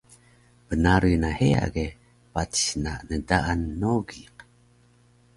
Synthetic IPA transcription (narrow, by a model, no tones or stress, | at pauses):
b̥ənaɾunahea̰ɡe | patɕnanədaʔanːoɡiq